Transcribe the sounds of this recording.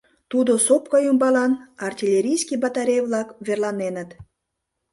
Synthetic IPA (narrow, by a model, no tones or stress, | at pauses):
t̪ud̪osop̚kɑjumbɑlɑnɑrtʲilʲeɾʲijskibɑt̪ɑɾʲejvlɑkβerlɑnenət̪